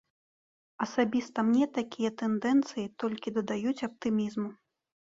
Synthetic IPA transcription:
ɐsabʲist̪ɐmnʲɛt̪akʲijɐt̪ɛnd̪ɛnt̪sɨjit̪ɔlʲkʲid̪ɐd̪ajut͡sʲɐp̚t̪ɨmʲizmu

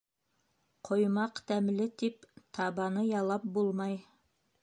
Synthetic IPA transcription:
qʰŏjmɑqt̪æmlɘt̪ipt̪ʰɑβɑnɤjɑlˠɑp̚bulˠmɑj

